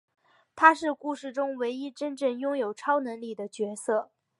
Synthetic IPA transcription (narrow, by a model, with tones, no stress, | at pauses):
t̪ʰa˥ʂɻ̩˥˧ku˥˧ʂɻ̩˥˩ʈ͡ʂʊ˥ŋwe˧˥ɪi˥ʈ͡ʂə˥nʈ͡ʂə˥˩ŋjʊ˥ŋjo˨˩ʊʈ͡ʂʰɑ˥ʊnɤ˧˥ŋli˨˩d̪ə˦t͡ɕɥɛ˧˥sɤ˥˩